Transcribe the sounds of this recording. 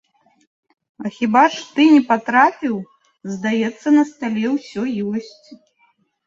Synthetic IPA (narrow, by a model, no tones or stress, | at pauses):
ɐxʲibaʂt̪ɨnʲɛpat̪ɾapʲiw | zd̪ajɛt̪sːɐnɐst̪alʲɛwsʲɔjɔsʲt͡sʲ